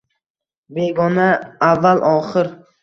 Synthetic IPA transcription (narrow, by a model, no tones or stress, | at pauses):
be̞ɡɒnaːvːalʔɒχɪɾ